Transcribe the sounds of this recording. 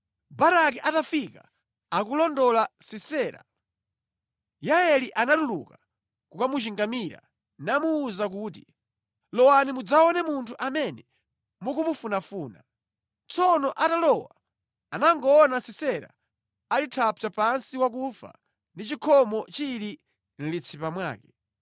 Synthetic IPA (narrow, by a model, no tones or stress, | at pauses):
baɾak̬iʔatafika | ak̬ulɔndɔlasisɛːɾa̰ | jaɛliʔanatulṵka | kukamut͡ʃiŋɡamiɾa̰ | namuːzak̬uːti | lɔwanimud͡zaɔnɛmuntʰuʔamɛnɛ | mukumufunafuːna | t͡sɔnɔʔatalɔwa | anaŋɡɔːnasisɛɾa̰ | alitʰaput͡ʃapansiwak̬ufa̰ | ndit͡ʃikʰɔmɔt͡ʃiɾi | n̩lit͡sʰipamwa̰ːkɛ